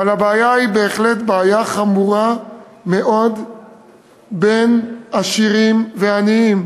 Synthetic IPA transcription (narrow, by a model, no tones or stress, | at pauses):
avalhabeajaibe̞ːχlet̪beajaχamuʁa | me̞ʔo̞d̪ | benaʃiʁimveaniim